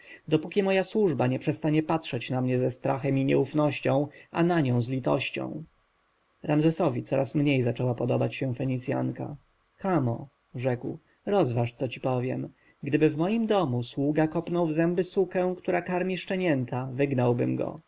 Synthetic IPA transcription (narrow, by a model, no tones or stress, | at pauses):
d̪ɔpukʲimɔjaswuʐbaɲɛpʂɛst̪aɲɛpatʂɛt͡ɕnamɲɛzɛst̪ɾaxɛmiɲɛufnɔɕt͡ɕɔ̃w̃ʔa̰naɲɔ̃w̃zlʲit̪ɔ̰ɕt͡ɕɔ̰̃w̃ | ɾamzɛsɔvʲit̪sɔɾʔasmɲejzat͡ʂɛwapɔd̪ɔbat͡ɕɕɛfɛɲit̪sʲja̰ŋka̰ | kamɔ | ʐɛkw | ɾɔzvaʂt̪sɔt͡ɕipɔvʲjɛm | ɡd̪ɘbɘvmɔjimd̪ɔmuswuɡakɔpnɔwvzɛmbɘsukɛ̃w̃kt̪uɾakaɾmʲiʂt͡ʂɛɲɛnt̪avɘɡnawbɘmɡɔ̰